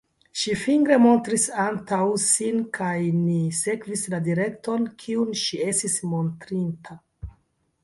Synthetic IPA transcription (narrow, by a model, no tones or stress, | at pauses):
ʃifiŋɡɾe̞mo̞ntɾisantawsinkʰajnise̞kvisladiɾe̞kto̞nkʰiunʃie̞stismo̞ntɾintʰa